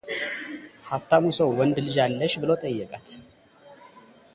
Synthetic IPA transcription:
haft̪ʰamusəwwɔnd̪lɨd͡ʒalːəʃbɨlot̪ʼəjːɛkʼat̪

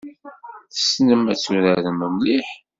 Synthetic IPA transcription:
θə̥snəmæt͡sːuɾæɾəməmliħ

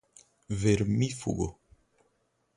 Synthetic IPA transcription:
veɾmifṵɡo

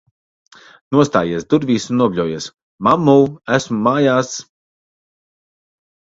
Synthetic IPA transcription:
nuɔst̪aːjiɛsd̪uɾvʲiːsunːuɔblʲuɔjiɛs | mamːuwæsmumaːjaːs

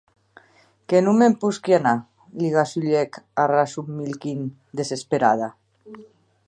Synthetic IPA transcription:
kenumempuskiana | liɣasuʎɛkarasumːilkin | d̪esespeɾa̰ða

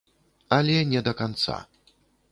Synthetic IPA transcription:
alʲɛɲɛd̪ɔkɔnt̪sa̰

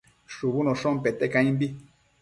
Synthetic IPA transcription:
ʃuβunõʃõmpet̪ekãĩmbi

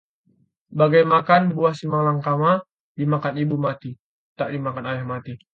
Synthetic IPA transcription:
baɡajmakanbuasimalaŋkama | dimakanibumat̪i | t̪aʔdimakanajahmat̪i

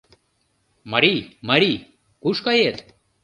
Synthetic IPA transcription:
mɐɾimɐɾi | kuʂkɐjet̪

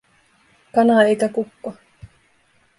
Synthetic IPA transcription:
kɑnɑe̞jkækukːo

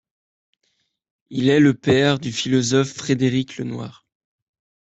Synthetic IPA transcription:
ilɛləpɛʁd̪yfilɔzɔfːχed̪eʁiklə̰nwa̰ːʁ

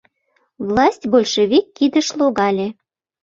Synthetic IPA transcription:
vlˠɑsʲtʲbolʲʃevʲikːid̪ə̆ʃlˠoɣɑlʲe

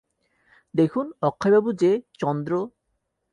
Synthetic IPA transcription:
d̪ekʰunɔkʰːajbabud͡ʑet͡ɕɔnd̪ɾo

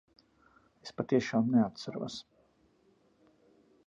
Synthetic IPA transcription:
espat̪iɛʃaːmnɛat̪saɾṵɔs

